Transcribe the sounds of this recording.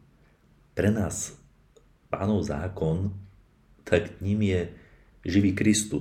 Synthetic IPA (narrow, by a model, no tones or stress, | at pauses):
pɾɛnaːs | pa̰ːnɔʊza̰ːkɔn | t̪ʰakɲimjɛ | ʒiʋiːkɾist̪ṵ